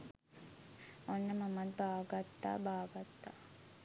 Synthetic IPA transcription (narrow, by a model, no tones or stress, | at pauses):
onːəmamat̪̚baːʋəɡat̪ːa̰ːbaːʋəɡat̪ːa̰ː